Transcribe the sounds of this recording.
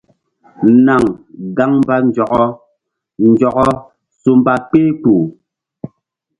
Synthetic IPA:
na˨ŋɡa˦ŋm˦ba˦n˦d͡ʒɔ˨kɔ˦ | n̩˨d͡ʒɔ˨kɔ˦ | su˨m˦ba˦k͡peː˦k͡pu˨

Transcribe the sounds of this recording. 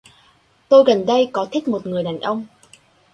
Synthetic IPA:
t̪o˧jɣə˨˩nɗə˧jkɔ˨˦t̪ʰi˦˥t̚mo˨˩t̚ŋɨ˨˩əjɗaː˨˩nʔə˧wŋ͡m

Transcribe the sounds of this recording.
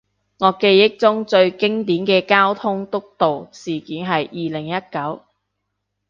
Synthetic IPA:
ŋɔː˨˧˥ke˧jːɪ˥k̚t͡sʊ˥ŋt͡sɵ˧ɥkɪ˥ŋt̪iː˨˥nkɛː˧kaː˥wt̪ʰʊ˥ŋt̪ʊ˥k̚t̪o˨wsiː˨kiː˨˥nɦɐ˨jːiː˨lɪ˨˩ŋjɐ˥t̚kɐ˨˥w

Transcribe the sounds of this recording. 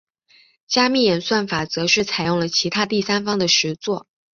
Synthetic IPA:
t͡ɕja˥mi˥˩jɛ˨˩nswa˥˩nfa˨˩t͡sɤ˧˥ʂɻ̩˥˩t͡sʰa˨˩ɪjʊ˥˩ŋlə˩t͡ɕʰi˧˥t̪ʰa˥t̪i˥˩sa˥nfɑ˥ŋd̪ə˨ʂɻ̩˧˥t͡swɔ˥˩

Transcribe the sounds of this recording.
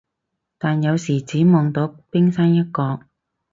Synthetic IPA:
t̪aː˨njɐ˨˧wsiː˨˩t͡siː˨˥mɔː˨˧ŋt̪o˨˥wpɪ˥ŋsaː˥njɐ˥t̚kɔː˧k̚

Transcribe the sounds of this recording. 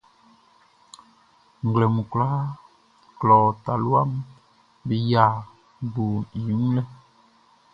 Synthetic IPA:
ŋ˨ɡlɛ˨mu˨klaː˦ | klɔː˨ta˨lwa˦m | bi˦jaː˨ | bu˨ji˨˦m˦lɛ˦

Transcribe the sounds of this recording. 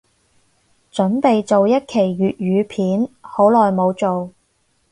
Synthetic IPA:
t͡ʃɵ˨˥npe˨jt͡so˨wjɐ˥t̚kʰe˨˩jɥyː˨t̚ɥyː˨˧pʰiː˨˥nho˨˥wlɔː˨jmo˨˧wt͡so˨w

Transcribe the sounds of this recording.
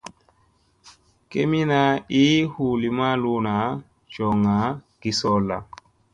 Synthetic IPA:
ke˦mi˦na˦i˦hu˨li˨ma˦lu˦na˨˦ | d͡ʒɔ˨ŋa˨˦ɡ̥i˦sɔ˦la̰˨

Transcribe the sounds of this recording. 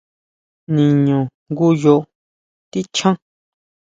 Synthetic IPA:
nĩ˨ɲõ˨ŋɡu˦jo˧ʔ | t̪i˦t͡ʃʰã˦

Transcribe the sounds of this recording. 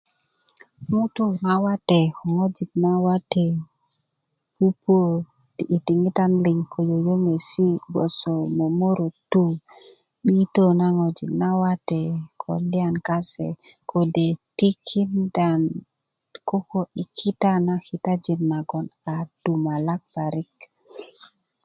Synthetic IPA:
mu˦t̪u˦na˨wa˦te˨ko˨ŋo˦d͡ʒi˨tna˦wa˦te˨ | ku˦po˦ | ti˨ʔi˨ti˨ŋi˦ta˦nli˨ŋko˨jo˨jo˦ŋe˨si˦ɡo̰˨so˨mo˨mo˦ɾo˨tu˦ | ɓi˦to˦na˦ŋo˨d͡ʒḭ˨tna˦wa˦te˨kʰo̰˨li˦a˨nka˦sḛ˨ | kʰo˨de˨ti˦kʰi˦nda˨n | ko˦ko˨ɗi˨kʰi˦ta˦na˦xi˨t̪a˦d͡ʒi˨nna˨ɡo˨na˨du˨ma˨la˦k̚ba˨ɾi˦k

